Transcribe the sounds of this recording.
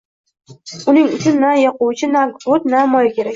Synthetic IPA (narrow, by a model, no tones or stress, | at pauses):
ʊnɪŋʊt͡ʃʰʊnːajɒqʊwt͡ʃʰɪnaɡɾot̪̚namɒjakʲʰe̞ɾakʲ